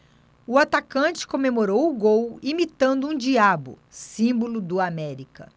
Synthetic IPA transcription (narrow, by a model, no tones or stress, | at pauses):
ʊat̪akɐ̃t͡ʃɪ̥kõmemoɾowʊɡowimit̪ɐ̃nd̪ʊũd͡ʒiabʊ̰ | sĩbolʊd̪ʊamɛɾikɐ̰